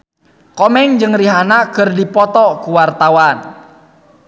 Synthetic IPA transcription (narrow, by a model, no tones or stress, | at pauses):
kɔmɛŋd͡ʒɨŋriɦanakərdipɔt̪ɔkuwart̪awan